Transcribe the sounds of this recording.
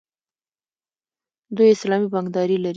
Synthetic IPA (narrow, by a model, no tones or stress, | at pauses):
d̪ujɪslɑmibaŋɡd̪ɑɾilaɾ